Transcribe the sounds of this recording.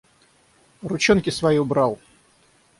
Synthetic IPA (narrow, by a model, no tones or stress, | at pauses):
rʊt͡ɕonkʲɪsvɐjibɾalˠ